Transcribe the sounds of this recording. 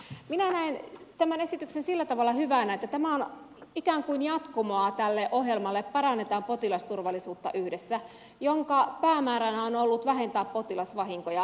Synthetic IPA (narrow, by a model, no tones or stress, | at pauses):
minænæent̪æmænesit̪yksensilːæt̪ɑʋɑlːɑhyʋænæet̪ːæt̪æmæon | ikæːŋkuinjɑt̪komoɑt̪ælːeʔoɦjelmɑlːeppɑɾɑnːet̪ɑːmpot̪ilɑst̪urʋɑlːˑisuːt̪ːɑʔyhdesːæ | joŋkɑpæːmæːɾænæonolːut̪ʋæɦent̪æːppot̪ilɑsʋɑɦiŋkojɑ